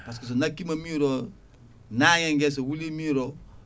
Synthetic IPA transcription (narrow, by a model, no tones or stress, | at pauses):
paskes̬onakimamiɾo | najɛ̃ŋɡes̬owulimĩɾo